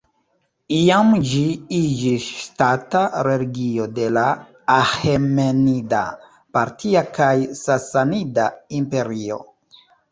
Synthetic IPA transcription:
iamd͡ʒiid͡ʒisʃtataɾe̞liɡio̞de̞laː | hemenida̰ | paɾtʰiakajsasanidaimpe̞ɾio̞̰

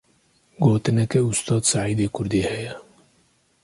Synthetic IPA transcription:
ɡoːt̪ɨnɛkɛʊst̪ɑːd̪saʕiːd̪eːkʰʊɾd̪eːhɛjɛ

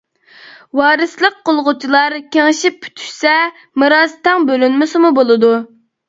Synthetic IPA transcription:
wɑːɾɨslˠəq̚qolˠʁʊt͡ʃʰilˠɑɾkʲeŋɪʃipʰːy̥t̪ʰy̥ʃsɛ | mɨɾɑzt̪ʰɛŋbølynmɪsɨmubolˠɨd̪u

